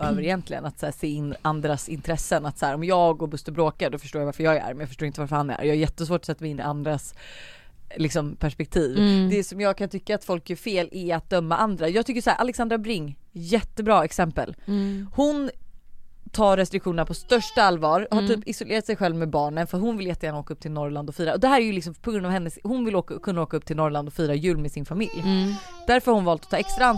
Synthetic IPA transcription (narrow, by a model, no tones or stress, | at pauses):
øːvəɾɪjɛnt̪ʰlɪɡə̰nat̪sæːseːɪnːʔand̪ɾasɪnt̪ʰɾɛsːənat̪sæːɾɔmjɑːɡɔbɵst̪əbɾoːkaɖɔfœəʂʈoːɾjavaɾfəɾjɑːɡæɾæ̰ɾmɛjɑfœʂʈoːɾɪnt̪əvaɾfœɾhanæ̰ɾjɑːhajɛt̪ːəs̬voːʈɔ̥sɛt̪ːaɡɪnːɪ̰ʔand̪ɾas | lɪksɔmpʰæʂpɛk̚t̪ʰiːvd̪ɛsɔmjɑːɡ̚kʰant̪ʰʏkːaːt̪fɔlkjœɾfeːlʔɛat̪̚d̪œmːaʔand̪ɾajɑːɡt̪ʰʏkːəsʂæːɾʔa̰lɛksand̪ɾabɾɪŋːjɛt̪ːəbɾɑːɛksɛmpə̰lhʊn | t̪ʰɑːɾɾɛst̪ɾɪkɧuːnənapʰɔst̪œʂʈaalːvɑːɾhaʈʰyːpɪsɔʊleːɾat̪sɛjɧɛlvmɛbɑːɳənfœɾat̪hʊnvɪljɛt̪ːəjæːɳnaoːkaɵp̚ːt̪ʰɪlnɔɾland̪ɔfyːɾaʔɔd̪ɛhæːɾæjɵlɪks̬ɔmpʰɔɡɾɵnd̪avhɛnːəshʊnvɪloːkakʰɵnːaoːkaɵp̚ːt̪ʰɪlnɔɾland̪ɔfyːɾajʉ̟ːlmɛsɪnfamɪljd̪̥æɾfœɾhahʊnvɑːlt̪ɔt̪ʰɑːɛkst̪ɾaan